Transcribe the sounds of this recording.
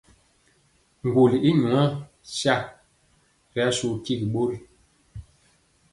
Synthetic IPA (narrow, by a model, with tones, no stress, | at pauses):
ŋ˨ɡu˨li˨i˦ɲu˨a˦ | sja˦ | ɾɛ˨˦su˨ki˦˨ki˨ɓo˦ɾi˦